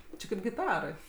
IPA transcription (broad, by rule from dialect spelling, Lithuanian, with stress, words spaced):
ˈt͡ʃʲɪ kɐɪp ɡʲɪˈtɑːrɐɪ